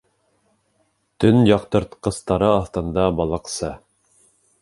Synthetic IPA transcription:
t̪ɵnjɑqt̪ɤ̆ɾt̪qɤ̆st̪ɑɾɤɑθt̪ɤ̆nd̪ɑbɑlˠɤ̆qsɤ

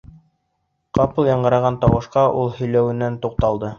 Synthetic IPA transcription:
qɑpɤlˠjɑɴɢɤ̆ɾɑʁɑnt̪ɑwɤ̆ʃqɑʔulˠhɵ̆jlæwɘ̆nːænt̪uq̚t̪ɑlˠd̪ɤ

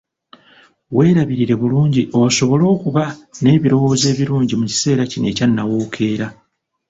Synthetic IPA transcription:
we̞ːɾaβiɾiɾe̞βuluːɲɟiʔo̞so̞βo̞lo̞ːkuβane̞ːβiɾo̞wo̞ːze̞ːβiɾuːɲɟimuci̥se̞ːɾacine̞̰ːcanːawoːkʰe̞ːɾa

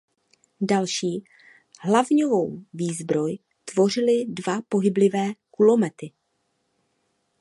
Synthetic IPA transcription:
dalʃiː | ɦlavɲovo̞wviːzbɾo̞j | t̪vo̞r̝ɪlɪdvapo̞ɦɪblɪvɛːkulomɛt̪ɪ

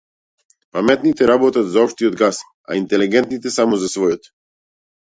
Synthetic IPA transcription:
pamɛt̪nit̪ɛɾabɔt̪ad̪zaɔpʃt̪iɔd̪ɡas | a̰int̪ɛliɡɛnt̪nit̪ɛsamɔzasvɔjɔt̪

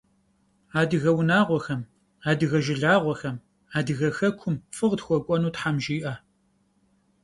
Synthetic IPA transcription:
aːdɨɣɐwʊnaːʁʷɔxɐm | aːdɨɣɐʒɪɮaːʁʷɔxɐm | aːdɨɣɐxɐkʷʰʊmfɨʁtxʷɔkʷʼɔnuːtħamʒiːʔaː

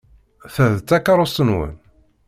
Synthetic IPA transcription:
θæðt͡s̪ːækːaɾˤost̪ənwə̰n

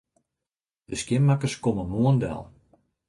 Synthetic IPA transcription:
d̥əskjɪmmakəskoməmuəndɛ̰lˠ

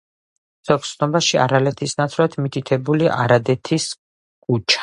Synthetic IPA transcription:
z̥ɔkt̪ssʰnɔbaʃia̰ɾalɛt̪ʰisnat̪sʰɾat̪ʰmit̪ʰit̪ʰɛbuliʔa̰ɾad̪ɛt̪ʰis | kʼut͡ʃʰḁ

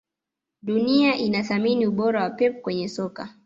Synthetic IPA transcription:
ɗuniaʔinaθaminiuɓɔɾawapɛpukwɛɲɛsɔka̰

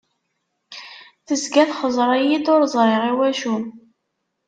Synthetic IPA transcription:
θəzɡæθχəzˤɾˤæjid̪ʊɾzˤɾˤeʁiwæʃun

